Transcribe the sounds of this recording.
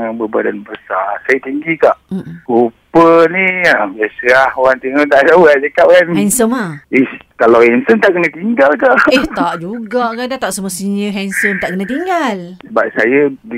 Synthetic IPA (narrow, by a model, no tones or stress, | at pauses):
abəbadanbəsa̰sajət̪iŋɡik̪aʔupəniabiasəlahowaŋt̪eŋot̪aʔdawaʔ̚d͡ʒəkapkanhɛnsəmaihkalawhɛnsənt̪aʔkənət̪iŋɡalkaʔeht̪aʔd͡ʒuɡaʔkadat̪aʔsəmuəsinəɦɛnsənt̪aʔkənat̪iŋɡalsəbap̚sajədi